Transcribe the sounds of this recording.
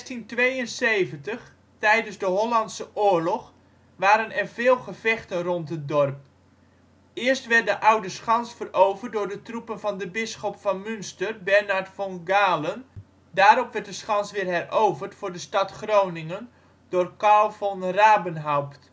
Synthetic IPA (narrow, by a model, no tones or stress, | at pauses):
tintʋejənsejvəntəχ | tɛjdənzdəɦolɑntsəʔʊːɹlɔχ | ʋaːɾənɛrvɪːlˠχəv̥ɛχtənrɔntɦət̚dɔrp̚ | ɪəɹstʋɛrt̚dəʔawdəsχɑnsfərowvərt̚dʊːɹdətrupənvɑndəbɪsχɔpfɑnmʏnstərbɛɹnaɹtfɔŋɡaːlən | daːɾɔpʋɛɹt̚dəsχɑnsʋɪːrɦɛrʔowvərtfʊːɹdəstɑtχrownɪŋən | d̥ʊːrkalˠvɔnraːbənɦawpt